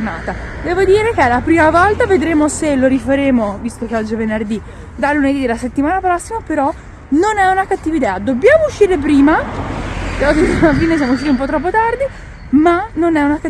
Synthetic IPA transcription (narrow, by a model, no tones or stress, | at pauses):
na̰ːt̪ad̪ɛːvod̪iːɾek̟ealːapɾiːmavɔlt̪aved̪ɾeːmoseloɾifaɾeːmovist̪okeɔd͡ʒːivenerd̪i | d̪alːuned̪id̪elːaset̪ːimaːnapɾɔsːimapeɾɔ | nonɛunakat̪ːivid̪ɛːad̪obːjaːmouʃːiːɾep̬ɾiːma | keɔt̪elafiːnes̬jaːmouʃ̬iiumpɔt̪ːɾɔp̬ːot̪ard̪i | manonɛunaka